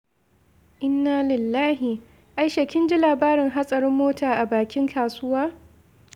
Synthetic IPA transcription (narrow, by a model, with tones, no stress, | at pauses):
ʔɪ˦nːaː˦lɪ˨lːaː˦ɦɪ˨ | ʔa˦jʃɐ˨kʲɪ˦nd͡ʒɪ˦laː˨baː˦ɾɪ˨ŋɦa˦sʼɐ˨ɾɪ˦mːoː˦taː˨ʔa˨baː˨kʲɪ˦ŋkʰaː˨sʊ˦waː˦